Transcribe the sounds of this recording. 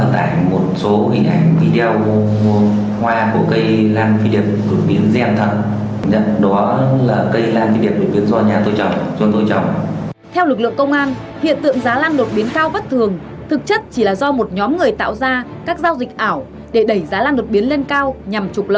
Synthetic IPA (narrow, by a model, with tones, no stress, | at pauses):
t̪a̰ː˧˨jmo˨˩t̚so˨˦ɦḭ˧˩ŋ̟ʔa˧˩jŋ̟vi˧ɗɛ˧ə˧w | hwaː˧ku˧˩əkə˧jlaː˧nfi˧ɗi˨˩əp̚ɗo˨˩t̚ɓi˨˦ənzɛ˧mt̪ʰə˨˩t̚ | ə˧˦ɗɔ˨˦laː˨˩kə˧jlaː˧nfi˧ɗi˨˩əp̚ɗo˨˩ɓi˨˦ənzɔ˧ɲaː˨˩t̪o˧jt͡ɕə˨˩wŋ͡mzu˧əŋt̪o˧jt͡ɕə˨˩wŋ͡mt̪ʰɛ˧wlɨ˨˩k̚lɨ̰˧˨əŋkə˧wŋ͡mʔaː˧n | hḭ˧˨ənt̪ɨ̰˧˨əŋzaː˨˦laː˧nɗo˨˩t̚ɓi˨˦ənkaː˧wvə˦˥t̚t̪ʰɨ˨˩əŋ | t̪ʰɨ˨˩k̚t͡ɕə˦˥t̚t͡ɕi˧˩laː˨˩zɔ˧mo˨˩t̚ɲɔ˨˦mŋɨ˨˩əjt̪a̰ː˧˨wzaː˧kaː˦˥k̚zaː˧wzi˨˩k̚ʔaː˧˩w | ɗe˧˩ɗə˧˩jzaː˨˦laː˧nɗo˨˩t̚ɓi˨˦ənle˧nkaː˧wɲa˨˩mt͡ɕu˨˩k͡p̚lə̰˧˨